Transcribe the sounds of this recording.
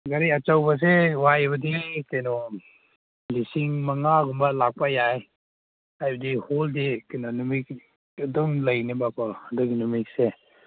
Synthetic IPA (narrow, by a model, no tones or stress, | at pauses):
ɡaɾiat͡ʃawbas̬ewajbɐdikajnɔ | lisiŋmɐŋaɡumbalak̚pajaj | ajbɐdiholdikanɔnumik | adumlajnibakʰahaduɡinumik̚se